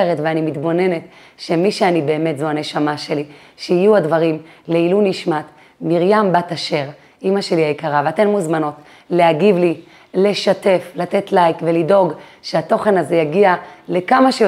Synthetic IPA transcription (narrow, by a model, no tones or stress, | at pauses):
eʁetveanimit̪bo̞ne̞ne̞t | ʃe̞miʃeanibe̞ːmetzo̞ɦane̞ʃamaʃe̞li | ʃeijuadvaʁimleiluniʃmat | miʁjambataʃe̞ʁ | imaʃe̞liaikaʁaveate̞nmuzmano̞t | le̞aɡivli | le̞ʃate̞flate̞tlajkvelido̞ɡʃeato̞χe̞nazejaɡiale̞kamaʃe